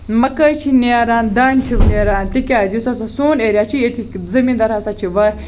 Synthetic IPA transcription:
mɐkəjt͡ʃʰinaːɾaːnd̪aːnt͡ʃʰiʋneːɾaːnt̪ikʲaːzisɐsasuːneːɾʲjat͡ʃʰiet̪ʰikzɐmiːnd̪ɐɾasat͡ʃʰiʋɐ

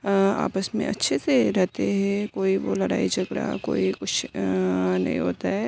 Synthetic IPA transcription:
a̰ːpəsmḛ̃ɐ̰tːʃʰeseɾɛɦt̪eɦɛ̃koːiʋolɐɽaːid͡ʒɐɡɾa̰koːikʊt͡ʃʰ | nɐ̰ɦḭ̃ɦoːt̪aɦɛː

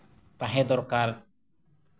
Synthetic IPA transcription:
paɦẽd̪ɔɾkaɾ

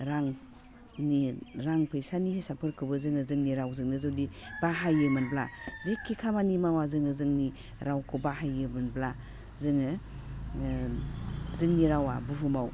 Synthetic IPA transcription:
ɾaŋ | niɾaŋpʰɯjsanihisapʰɯɾkʰɯbɯzɯŋɯzɯŋniɾawzɯŋnɯzɯwdibaɦajɯmɯnblazekʰːikʰamanimawazɯŋɯzɯŋni | ɾawkʰubahajɯmɯnbla | zɯŋɯ | zɯŋniɾawa̰buɦumaw

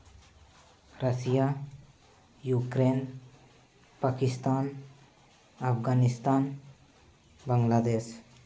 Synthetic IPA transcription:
ɾəsija | jukɾen | pakist̪aːn | apɡanist̪an | bəŋɡlad̪es

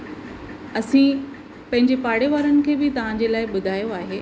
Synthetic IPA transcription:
ɐsĩ | pɐ̃ɦɪ̃ɲd͡ʑepaːɽeʋaːɾənɪ̆kʰeːbɪt̪ɐʋ̤ãɲd͡ʑelaːɪɓʊd̪ʱaːjoaːɦeː

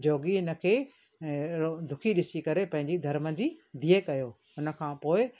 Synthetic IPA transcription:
d͡ʑoːɡiɦɪnə̆kʰeː | d̪ʱʊkʰiɗɪsikɐɾepɐ̃ɦɪ̃ɲd͡ʑid̪ʱɐɾməd͡ʑid̪ʱiekɐjoː | ɦʊnə̆kʰãːpoːɪ

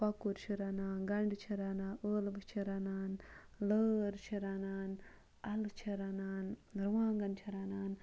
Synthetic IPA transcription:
pɐkuɾt͡ʃʰiɾanaːnɡɐɳɖt͡ʃʰiɾanaːʔəːlbɨt͡ʃʰiɾanaːn | ləːɾt͡ʃʰiɾanaːn | ɐlt͡ʃʰiɾanaːnɾʋãːŋɡɐnt͡ʃʰiɾanaːn

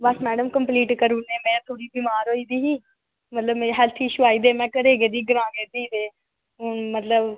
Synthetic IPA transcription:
bəsmɛːɖəmkəmpliːʈkəɾuːneːmɛ̃ːt̪ʰoːɽiːbiːmaːɾoːiːd̪iːɦiː | mət̪ləbmeɦɛːlt̪ʰiːʃuaːiːd̪eːmɛ̃ːkəɽeːɡeːd̪iːɡəɾãːɡeːt̪iːd̪eː | ʊmət̪ləb

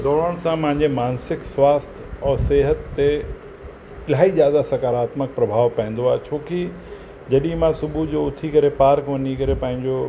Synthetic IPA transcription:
d̪ɔːɽ̤əɽ̃sãpɐ̃ɦɪ̃ɲ̆d͡ʑemaːnsɪkswaːst̪ʰɔːseːɦət̪ːe | ɪlaːizjaːd̪asɐkaːɾaːt̪mək̚pɾɐbʱaːʋpɐ̃ɦɪ̃n̆d̪oaːɦet͡ɕʰoːki | d͡ʑɐɗĩmãsʊbʱud͡ʑoːʊt̪ʰikɐɾepaːɾkʋɐɲikɐɾepɐ̃ɦɪ̃ɲd͡ʑo

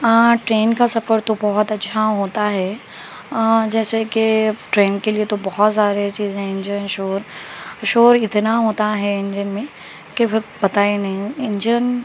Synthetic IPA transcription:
ãːʈɾeːnkasɐfəɾt̪obɔɦɔt̪ɐːʃʰaɦoːt̪aɦɛ | d͡ʒɛːsekeʈɾeːnkeliet̪obɔɦɔt̪saːɾet͡ʃiːzẽɪ̃ɲd͡ʒənʃoːɾʃoːɾɪt̪naɦoːt̪aɦɛɪ̃ɲd͡ʒənmẽ | kefɪɾbɐt̪aːenɐɦĩɪ̃ɲd͡ʒən

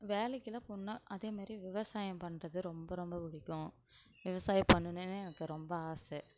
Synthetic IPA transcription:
ʋeːlɛkːɪlɐpʊnːɐʔɐðeːmaːd̪ɾiʋɪʋɐsaːjɐ̃mpɐɳːrɐðɯɾɔmbɐɾɔmbɐpʊɽɪkːʊ̃ | ʋɪʋɐsaːjɐpɐɳːɯnɯnːɯɛnɐkːɯɾɔmbɐaːsɛ

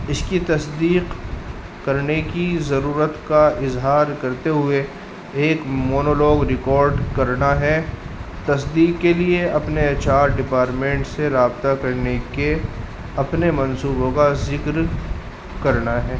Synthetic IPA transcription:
ɪskit̪ɐsd̪iːq | kɐɾnekizɐɾuːɾət̪kaɪzɦaːɾkɐɾt̪eɦʊeː | kmoːnolɔːɡɾɪkɔːɾɖkɐɾnaɦɛt̪ɐsd̪iːqkːelieɐpnet͡ʃaːɾɖɪpaːɾʈmẽːɳʈseɾaːbt̪akɐɾneke | ɐpnemɐ̃nsuːbõkazɪkɾ | kɐɾnaɦɛː

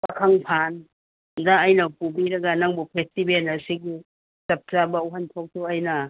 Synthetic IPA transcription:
pakʰaŋpʰan | daːjnɐpubiɾɐɡɐnaŋbupʰestibenɐsiɡi | sɐp̚t͡ʃabɐuɦantʰok̚tʰuɐjnɐ

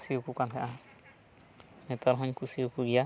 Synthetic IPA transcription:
siukukant̪ʰaʔa | nɛt̪ɔɾɦɔɲkʰusiukuɡija

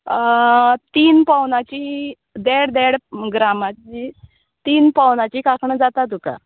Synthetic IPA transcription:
t̪iːnpawnat͡ɕiː | d̪eɽd̪eɽɡɾamat͡ɕi | t̪iːnpawnat͡ɕiːkakʰɳəd͡zat̪at̪uka̰

